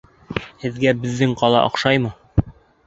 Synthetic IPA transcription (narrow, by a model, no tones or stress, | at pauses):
hɘ̆ðɡæbɘ̆ðːɘŋqɒlˠɑ̰ʔɒ̰qʃɑjmɤ